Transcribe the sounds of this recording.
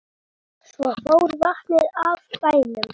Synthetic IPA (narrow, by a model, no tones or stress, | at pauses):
svɔfoːwɾvaht̪nɪɾavpaːjnʏm